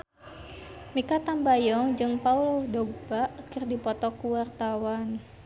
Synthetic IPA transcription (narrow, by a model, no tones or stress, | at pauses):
mikat̪ambajɔŋd͡ʒɨŋpauldɔɡ̚baʔkərdipɔt̪ɔkuwart̪awan